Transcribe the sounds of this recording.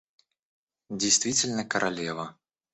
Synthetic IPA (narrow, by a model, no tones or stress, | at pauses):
d͡zʲɪjst̪vʲitʲɪlʲnəkəɾʔalʲɛvə